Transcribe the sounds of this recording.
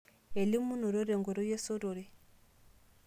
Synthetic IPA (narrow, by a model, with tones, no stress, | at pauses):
e˨li˦mu˦no˨ɾo˦ɾe˨ŋɡo˨ɾo˦je˦so˦ɾo˨ɾe˦